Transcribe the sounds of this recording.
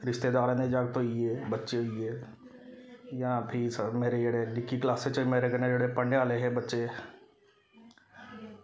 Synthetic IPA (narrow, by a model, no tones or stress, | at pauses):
ɾɪʃt̪ed̪aːɾɛ̃nẽd͡ʒaːɡt̪oieːbətːʃeie | jɐãpʰisəmeːɾed͡ʒeɽeɖɪkːiklaːset͡ʃəmeːɾekəɾnẽd͡ʒeɽepə̃ɳɖeaːleɦɛbɐtːʃe